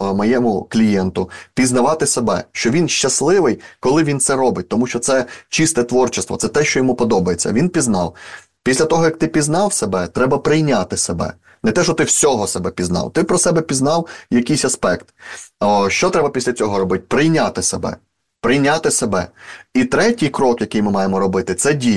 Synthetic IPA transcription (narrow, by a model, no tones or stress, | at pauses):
mɔjɛmʊklʲijɛnt̪ʊpʲiznɐʋɑt̪ɪsebɛʃt͡ʃɔʋʲinʃt͡ʃɐslˠɪʋɪjkɔlˠɪʋʲint̪sɛɾɔbɪt̚ʲt̪ɔmuʃt͡ʃɔt̪sɛt͡ʃist̪ɛt̪ʋɔrt͡ʃɪst̪ʋɔ̰t̪sɛt̪ɛʃt͡ʃɔjɔmupɔd̪ɔbɐjet͡sʲːɐ̰ʋʲinpʲiznɑ̰w | pʲisʲlʲɐt̪ɔɦɔjɐk̚t̪ɪpʲiznɑwsebɛt̪ɾɛbɐpɾɪjnʲat̪ɪsebɛ̰ | nɛt̪ɛʃɔt̪ɪwsʲɔɦɔsɛbɛpʲiznɑ̰wt̪ɪpɾɔsɛbɛpʲiznɑwjɐkɪjsʲɐspɛkt̪ɔʃt͡ʃɔt̪ɾɛbɐpʲisʲlʲɐt͡sʲɔɦɔɾɔbɪt̚ʲpɾɪjnʲat̪ɪsebɛ̰ | pɾɪjnʲat̪ɪsebɛ̰it̪ɾɛtʲijkɾɔkjɐkɪjmɪmɑjemɔɾɔbɪt̪ɪt̪sɛdʲij